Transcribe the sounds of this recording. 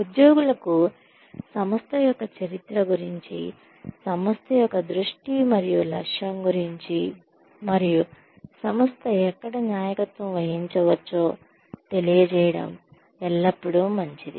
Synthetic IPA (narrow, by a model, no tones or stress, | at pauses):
ud̪joːɡulɐku | sɐmɐst̪ʰɐjɔkːɐt͡ʃɐɾit̪ɾɐɡuɾiɲt͡ʃḭ | sɐmɐst̪ʰɐjɔkːɐd̪ɾuʂʈimɐɾijulɐkʂjɐmɡuɾiɲt͡ʃi | mɐɾiju | sɐmɐst̪ʰɐɛkːɐɽɐnjaːjɐkɐt̪ʋɐ̃mʋɐɦiɲt͡ʃɐʋɐt͡ʃːoː | t̪e̞lijɐt͡ʃɛːjɐɽɐ̰m | ɛlːɐpːuɽumɐɲt͡ʃid̪ḭ